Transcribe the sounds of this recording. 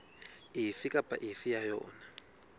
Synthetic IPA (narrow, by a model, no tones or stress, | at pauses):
ifikʼapʼa̰ʔifijajɔ̰ːna